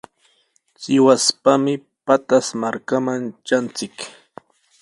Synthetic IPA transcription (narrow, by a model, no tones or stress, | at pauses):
t͡sɪwaspamɪ | pat̪asmaɾkamant͡ʃant͡sɪk